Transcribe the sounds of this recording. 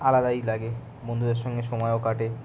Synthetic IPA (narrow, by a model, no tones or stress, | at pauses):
alad̪ajlaɡe | bond̪ʱud̪eɾʃɔŋɡeʃɔmɔeokaʈe